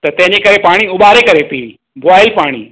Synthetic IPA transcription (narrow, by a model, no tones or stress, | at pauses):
t̪ɐt̪ɛ̃ɦɪ̃ɲd͡ʑekɐɾepaːɽ̃iʊɓaːɾekɐɾepiː | bʱaːɪlpaːɽ̃ḭː